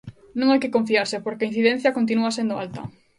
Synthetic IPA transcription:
nõŋajkɪkõɱfiaɾsɪpoɾkeain̟θiðẽn̟θjɐkont̪̬inuɐsend̪ʊa̰lt̪ɐ̰

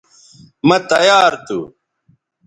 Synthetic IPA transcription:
mɐt̪ɐjaːɾt̪ṵ

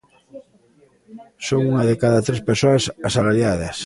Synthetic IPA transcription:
soŋuŋɐðekaðat̪ɾespesoasasalaɾjað̞ɐs

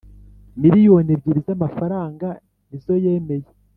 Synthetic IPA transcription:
miɾijo̞nebɟiɾizamafaɾaːŋɡa | nizo̞je̞ːme̞je

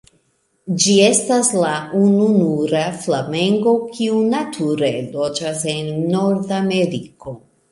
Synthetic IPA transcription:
d͡ʒie̞staslaununuɾaflame̞ŋɡo̞kʰiunatʰuɾe̞lo̞d͡ʒase̞nːo̞ɾdame̞ɾiko̞

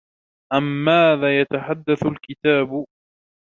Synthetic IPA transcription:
ʔamːaːðaːjat̪aħad̪ːaθʊlkɪt̪aːbʊ

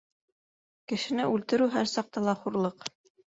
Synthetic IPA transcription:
kɘ̆ʃɘ̆nɘʉlt̪ɘ̆ɾʉɦæɾsɑq̚t̪ɑlˠɑχuɾlˠɤq

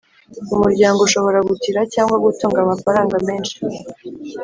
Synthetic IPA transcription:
umuɾɟaːŋɡouʃo̞βo̞ɾaɡutiɾacaːŋɡwaɡutoːŋɡamafaɾaːŋɡame̞ːnʃi̥

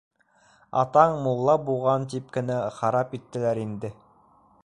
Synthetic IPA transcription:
ɑ̰t̪ɑɴmulˠːɑbuʁɑnt̪̬ip̚kɘ̆næχɑɾɑpit̪ːɘ̆læɾind̪ɘ

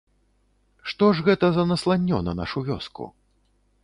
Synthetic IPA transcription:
ʂt̪ɔʐɣɛt̪ɐzɐnɐslˠanʲːɔnɐ̰na̰ʂuvʲɔ̰skṵ

